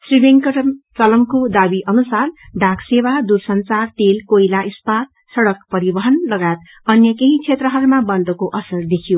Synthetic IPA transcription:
sribeŋkʌʈmt͡sʌlʌmkod̪abiʔʌnusarɖʱakʰsewad̪uɾsʌnt͡sart̪elkojlaʔispat̪̚ | sʌɽʌkpʌɾibʌɦʌnlʌɡajt̪ | ʌnjʌkeɦĩt͡sʰet̪rʌɦʌɾumabʌnd̪ʌkoʔʌsʌrd̪ekʰijo

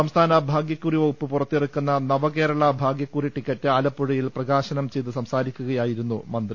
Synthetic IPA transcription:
ɐmst̪ʰaːnɐbʱaːɡjɐkːuriʋopːɨpurɐt̪ːerukːunːɐnɐʋɐke̞ːɾɐɭɐbʱaːɡjɐkːuriʈikʲːɐtːɨaːlɐpːuɻijilprɐɣaːɕɐnɐmt͡ɕe̞jt̪ɨsɐmsaːɾikʲːuɣɐjaːjiɾunːumɐnd̪ri

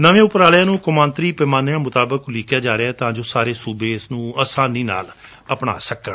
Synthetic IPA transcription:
nəʋẽːʊpɾaːljãːnũːkʊmãːnt̪ɾiːpɛːmaːnɪjãːmʊt̪aːbəklɪkʰjaːd͡ʒaːɾeɛːt̪ãːd͡ʒoːsaːɾeːsuːbeːɪsnũːəsãːnĩːna̰ːl | əpɳa̰ːsəkəɳ

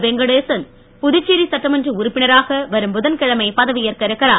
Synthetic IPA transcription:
ʋɛŋɡɐɽeːsɐn | pʊðɯt͡ʃːiɾisɐʈːɐmɐndrɯʊɾʊpːɪnɐɾaːɣɐʋɐɾɯmbʊðɐnkɪɻɐmɐɪpɐðɐʋɪjɐɾkɐɾɐkːɐɾaː

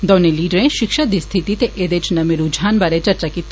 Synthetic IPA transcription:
d̪ɔːneliːɖəɾẽʃɪkʃad̪ist̪ʰit̪it̪eʔed̪et͡ʃnɐmiɾud͡ʒʱaːnbaɾet͡ʃɐɾt͡ʃakit̪

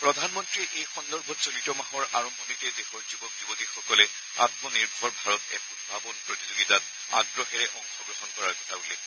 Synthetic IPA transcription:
pɹɔdʱanmɔntɹiʔejxɔndɔɹbʱɔtsolitɔmaɦɔɹʔaɹɔmbʱɔnitɛdehɔɹzubɔk̚zubɔtixɔkɔlɛ | a̰tmɔniɹbʱɔɹbʱaɹɔtɛ̰kunbʱabɔnpɹotizoɡitat̚ | a̰ɡɹɔxɛɹɛʔɔŋxɔɡɹɔɦɔnkɔɹaɹkɔtʰabolɛ

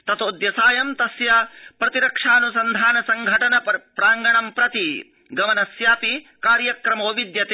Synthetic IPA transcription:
t̪ɐt̪oːd̪jɐsaːjɐmt̪ɐsjɐpɾɐt̪iɾɐkʂaːnusɐnd̪ʱaːnɐsɐŋɡʱɐʈɐnɐpɾaːŋɡɐɳɐmpɾɐt̪i | ɡɐmɐnɐsjaːpi | kaːɾjɐkɾɐmoːʋid̪jɐt̪e

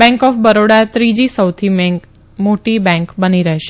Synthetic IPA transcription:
bɛ̃ŋkɔfbəɾoɽat̪ɾid͡ʒisəwt̪ʰim | moʈibɛ̃ŋkbəniɾəɦʃe

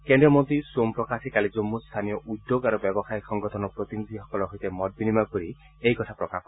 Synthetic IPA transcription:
kend̪ɾɔmont̪ɾisuompɾɔkasikalid͡ʒomːust̪ʰanijɔʔud̪joɡaɾubjɔbɔsajsɔŋɡɔt̪ʰɔnɔpɾot̪inid̪ʱiɦɔkɔlɔɦojt̪emɔd̪̚binimapuɾi | ejkɔt̪ʰapɾɔkakʰɔ

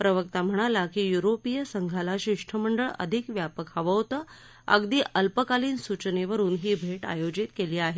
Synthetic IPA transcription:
pɾəʋəkt̪am̤əɽ̃alakijuɾopijəsəŋɡʱalaɕiʂʈʰəməɳɖəɭə̰d̪ʱikʋjapəkʰaʋəwt̪ə | ə̰ɡd̪iːʔəlpəkaliːnsut͡ɕneʋəɾuːnɦiːbʱeʈa̰jod͡ʑit̪keliːaɦet̪

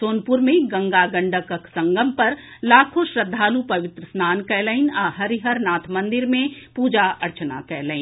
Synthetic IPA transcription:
soːnpʊɾmẽɡɐ̃ŋɡaɡɐ̃ɳɖəkəksɐ̃ŋɡəmpɐɾ | laːkʰoʃɾəd̪ʱːaːlupɐʋɪt̪ɾəsnaːnkɛːləɪnaːɦɐɾiɦəɾnaːt̪ʰmɐ̃nd̪ɪɾmẽpuːd͡ʒaʔɐɾt͡ʃna̰kɛːləɪn

